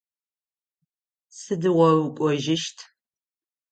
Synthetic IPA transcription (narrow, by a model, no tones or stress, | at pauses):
sɨdɨʁʷɔrɨkʷʼɔʒɪʃtʰ